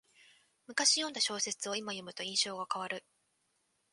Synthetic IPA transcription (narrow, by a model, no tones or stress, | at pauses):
mɯ̟kaɕijond̪aɕo̞ːse̞t͡sɨo̞imajo̞mɯ̟t̪o̞ĩɰ̃ɕo̞ːɡakaβ̞aɾɯ̟